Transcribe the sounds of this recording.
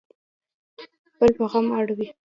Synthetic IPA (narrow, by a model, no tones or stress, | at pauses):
pəlpaɣɑmɑɽawi